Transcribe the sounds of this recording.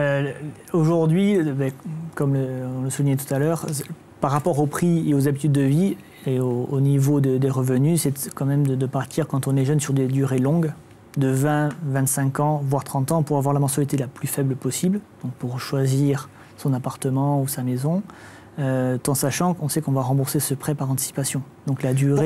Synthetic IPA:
ø | oʒuʁd̪ɥibɛkɔmləɔ̃ləsuvinɲɛt̪u̥t̪alœʁ | paʁːapɔʁopχieozabit̪yd̪ːəvi | eoonivod̪əd̪eʁəvənysɛt̪kɑ̃mɛmd̪əd̪əpaʁt̪ʰiʁkɑ̃t̪ɔ̃nɛʒœnsyʁd̪ed̪yʁelɔ̃ɡ | d̪əvɛ̃vɛ̃t̪sɛ̃kɑ̃vwaʁt̪χɑ̃t̪ɑ̃puʁavwaʁlamɑ̃sɥalit̪elaplyfɛbləpɔsibld̪̥ɔ̃k̚puʁʃwaziʁ | sɔ̃napaʁt̪əmɑ̃usamezɔ̃ | øt̪ɑ̃saʃɑ̃kɔ̃sɛkɔ̃vaʁɑ̃buʁsesəpχɛpaʁɑ̃t̪i̥si̥pasjɔ̃d̪̥ɔ̃klad̪yʁe

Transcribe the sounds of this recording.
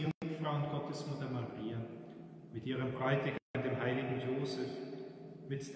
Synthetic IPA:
ʊɪtfʁ̥aʊʊnt̚ɡ̥ɔtəsmʊtɐmaʁiːa | mɪtʔiːʁəmbʁɔʏtəɡandeːmɦaɪlɪɡŋ̩joːzɛf | mɪtd̥

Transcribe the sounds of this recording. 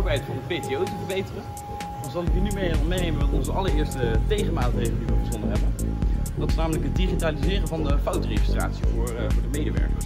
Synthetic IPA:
obəɦɛjtfɑndəpejtejowtəvəɹbejtərən | ɑnzɑlˠɪkynymejɛɔmejnejmənʋɑtɔnzəʔɑləɹɪːɹstətejχəmaːtrejχəliʋəbəzɔndəɦɛbənd̥ɑtɪsnaːmələkɦət̚diχitaːlizɪːrəvɑndəfɑwtreχəstra̰ːtsivʊːɹvʊːɹdəmejdəʋɛ̰ɹkə̰

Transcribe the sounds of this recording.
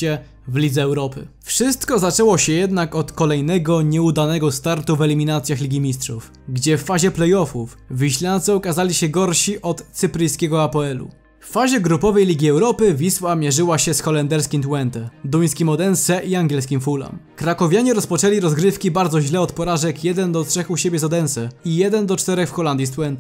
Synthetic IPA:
ɛ | vlʲid̪zɛɛwɾɔpɘ̰fʂɘst̪kɔzat͡ʂɛwɔɕɛjɛd̪nakɔt̪kɔlɛjnɛɡɔɲɛud̪anɛɡɔst̪aɾt̪uvɛlʲimʲinat̪sʲjaxlʲiɡʲimʲistʂuf | ɡd͡ʑɛfːaʑɛplɛjɔfuf | vʲiɕlʲant̪sɨɔkazalʲiɕɛɡɔɾɕiʔɔt̪sɘpɾɘjskʲɛɡɔapɔɛlṵ | fːaʑɛɡɾupɔvɛjlʲiɡʲiɛwɾɔpɘvʲiswamʲjɛʐɘwaɕɛsxɔlɛnd̪ɛɾskʲimt̪wɛnt̪ɛd̪uj̃skʲimɔd̪ɛnsɛʔiaŋɡʲjɛlskʲimfula̰mkɾakɔvʲjaɲɛɾɔspɔt͡ʂɛlʲiɾɔzɡɾɘfkʲibaɾd̪zɔʑlɛɔt̪pɔɾaʐɛkjɛd̪ɛnd̪ɔt̪ʂɛxuɕɛbʲjɛzɔd̪ɛnsɛijɛd̪ɛnd̪ɔt͡ʂt̪ɛɾɛxfxɔland̪ʲjist̪wɛnt̪ɛ

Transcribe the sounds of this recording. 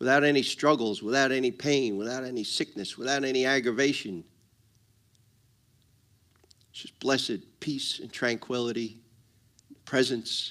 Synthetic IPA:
wəθaʊɾɛnistɹ̥ʌɡl̩ˠzwəθaʊɾɛnipʰẽɪ̃nwəθaʊɾɛnisɪk̚nɨswəθaʊɾɛniæɡɹɨveɪʃɨ̃n | ʌsb̥lɛsɨd̚pʰisɨ̃ntʰɹ̥æ̃ŋkʰw̥ɪlˠəɾi | pʰɹ̥ɛzɨ̃ns

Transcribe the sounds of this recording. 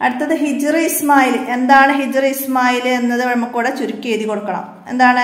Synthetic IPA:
ɐɽut̪ːɐðɨɦid͡ʑriismaːjile̞nd̪aːɳɨɦid͡ʑriismaːjilenːɐðɨʋeɻɐmːɐkːuːɽet͡ɕuɾukʲːeːðikoɽukːɐɳɐ̰m | e̞nd̪aːɳɨ

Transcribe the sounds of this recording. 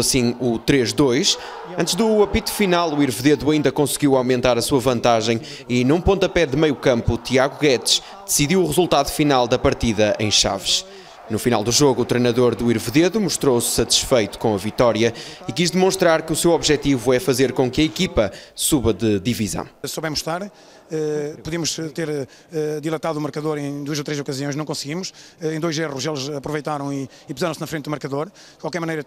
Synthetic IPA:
ɐsĩut̪ɾeʒd̪ojʃ | ɐ̃nt̪ʒðuɐpit̪u̥finalˠuiɾvɨðeðuɐĩnd̪ɐkõsɣiwawmẽnt̪aɾɐsuɐvɐ̃nt̪aʒɐ̃j̃ | inũpõnt̪ɐpɛðɨmɐjukɐ̃mput̪iaɣuɣɛt̪ʃ | d̪̥ɨsiðiwuʁɨzulˠt̪aðufinalˠd̪ɐpɐɾt̪iðɐʔḛ̃j̃ʃa̰vɨʃ | nufina̰lˠd̪uʒoɣuːt̪ɾejnɐðoɾðuiɾvɨðeðumuʃt̪ɾowsːɐt̪i̥ʃfɐjt̪u̥kõɐvit̪ɔɾjɐikiʒðɨmõʃt̪ɾaɾkɨusewɔβʒɛt̪ivuɛfɐzeɾkõkɐikipɐsuβɐðɨðivizɐ̰̃w̃soβɛmuʃt̪aɾ | ɛpuðimuʃt̪eɾ | ɛd̪ilˠɐt̪aðuːmɨɾkɐðoɾẽj̃d̪uɐzot̪ɾezokɐziõj̃nɐ̃w̃kõsɣimuʃ | ɛẽj̃d̪ojzeʁuʃelˠzɐpɾuvejt̪aɾɐ̃w̃iː | puzaɾɐ̃snɐfɾẽnt̪ðumɐɾkɐðoɾ | dkwalˠkɛɾmɐnejɾɐ

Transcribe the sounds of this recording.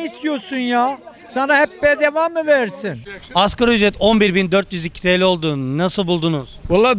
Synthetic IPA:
ist̪ijoɾsunja | sanaɦɛpːɛjɛd̪evamːɯveɾɾsinaskaɾayzɾɛt̪ʰo̞nbiɾbind̪øɾt̪jyzicʰi̥t̪ʰejlʲio̞lˠd̪unasɯlˠbulˠd̪unuz̥bolˠːa

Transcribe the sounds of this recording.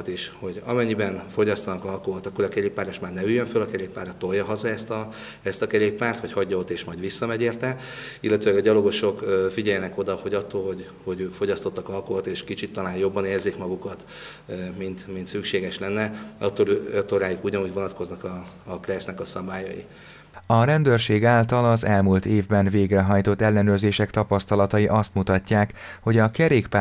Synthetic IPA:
t̪eːʃho̞ɟɒ̰mɛɲːibɛnfo̞ɟɒst̪ɒnɒkɒlkoɦot̪ɒkːoɾɒkɛɾeːpːaːɾeʃmaːrnɛyjːøɱfølɒkɛɾeːppːaːrɒt̪ːo̞rjɒɦɒzɒɛst̪ɒ | ɛst̪ɒkɛɾeːppaːrt̪ʋɒchɒɟːɒot̪ːeːʃmɒjɟʋisːɒmɛɟeːrt̪ɛ | ilːɛt̪øːlɛɡɒɟɒlo̞ɡo̞ʃo̞kfiɟɛjɛnɛko̞d̪ɒho̞ɟɒt̪ːolɦo̞ɟ | ho̞ɟøːkfo̞ɟɒst̪o̞t̪ːɒkɒlkoɦot̪eːʃkit͡ʃit̪ːɒlaːnjo̞bːɒneːrziːkmɒɡukɒt̪ | mint̪mint̪sykʃeːɡɛʃlɛnːɛɒt̪ːoɾøt̪ːoɾaːjukuɟɒnuɟvo̞nɒt̪ko̞znɒkɒːkrɛsnɛkɒsɒbaːjɒ̰jḭ | ɒɾɛnd̪øːrʃeːɡaːlt̪ɒlɒzɛlmult̪eːvbɛnveːɡrɛɦɒjt̪o̞t̪ːɛlːɛnøːrzeːʃɛkt̪ɒpɒst̪ɒlɒt̪ɒjiʔɒst̪mut̪ɒcːaːkho̞ɟɒkɛɾeːkpa

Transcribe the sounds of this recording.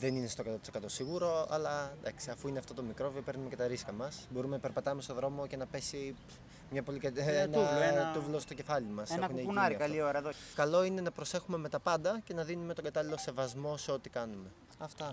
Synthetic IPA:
ðe̞nine̞st̪okɐt̪ot̪i̥sekɐt̪o̞siɣuɾo̞ɐlɐd̪ɐksiɐfuineɐft̪ot̪o̞mikɾo̞viope̞ɾnume̞ce̞t̪ɐɾiskɐmɐsbo̞ɾumenɐpeɾpɐt̪ɐme̞st̪oðɾo̞mo̞ce̞nɐpe̞si | mɲɐpo̞likɐenuvloet̪uvlost̪o̞ce̞fɐlimɐsenɐunineunɐɾiɐkɐlioɾɐeðokɐlo̞ine̞nɐpɾo̞se̞xume̞me̞t̪ɐpɐnd̪ɐce̞nɐðinume̞t̪o̞ɡɐt̪ɐlilo̞se̞vɐzmo̞seo̞t̪ikɐnume̞ | ɐft̪ɐ

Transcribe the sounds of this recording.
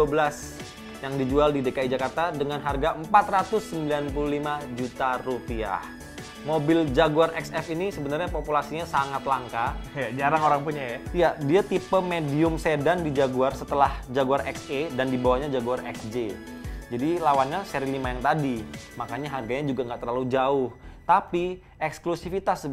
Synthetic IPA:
uabəlas | jaŋdid͡ʒualdidekaid͡ʒakart̪adəŋanɦarɡaəmpat̪rat̪ʊsːəmbilanpululimad͡ʒut̪arupia̰h | mobɪld͡ʒaɡuarʔɛksɛfinisəbənarɲapopulasiɲasaŋat̪laŋkajad͡ʒaɾaŋoɾaŋpuɲajaijadiat̪ipəmediʊmsedandid͡ʒaɡuarsət̪əlahd͡ʒaɡuarɛksedandibawahɲad͡ʒaɡuarɛksd͡ʒe | d͡ʒadilawanɲaseɾilimajaŋt̪adimakaɲaɦarɡaɲad͡ʒuɡaŋɡaʔt̪ərlalud͡ʒaʊht̪api | ɛksklusifit̪as

